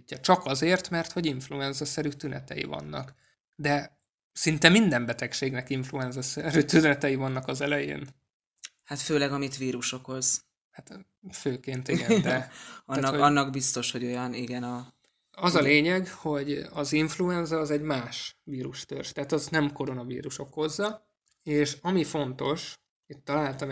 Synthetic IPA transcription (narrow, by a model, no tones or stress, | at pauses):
ɒt͡ʃɒkɒzeːrt̪mɛrt̪ho̞ɟiɱfluɛnzɒsɛɾyt̪ynɛ̰t̪ɛ̰jḭvɒ̰nːɒ̰k | d̪ɛ | sint̪ɛmind̪ɛmbɛt̪ɛkʃeːɡnɛkiɱfluɛnzɒsɛɾyt̪ynɛt̪ɛjivɒnːɒkɒzɛlɛjḛːn | hat̪føːlɛɡɒmit̪ʋiːɾuʃo̞kho̞z̥ | hat̪ | føːkeːnt̪iɡɛnd̪ɛɒnːɒnːɒɡbist̪o̞ʃho̞ɟo̞jɒniɡɛnɒ | ɒzɒleːɲɛɡho̞ɟɒziɱfluɛnzɒːzɛɟmaːʃʋiːɾuʃt̪ø̰rʃt̪ɛaːt̪ɒznɛmko̞ɾo̞nɒvḭːɾuʃo̞kho̞zːɒ | eːʃɒmifo̞nt̪o̞ʃ | it̪ːɒlaːlt̪ɒm